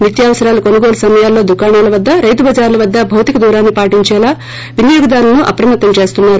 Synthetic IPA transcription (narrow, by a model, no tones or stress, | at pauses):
mit̪jaːʋɐsɐɾaːlɐkonɐɡoːlusɐmɐjaːlːo̞ːd̪ukaːɳaːlɐʋɐd̪ːɐɾɐjt̪ubʱɐd͡ʒaːɾlɐʋɐd̪ːɐbʱɐwt̪ikɐd̪uːɾaːnːipaːʈiɲt͡ʃɛːlaː | ʋinjoːɡɐd̪aːɾlɐnuʔɐ̰pɾɐmɐt̪ːɐmt͡ʃe̞ːst̪unːaːɾu